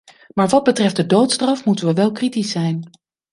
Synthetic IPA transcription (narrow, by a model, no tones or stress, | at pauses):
maːɹʋɑd̚bətrɛfdədowtstrɑfmutənʋəʋɛlˠkritisɛjn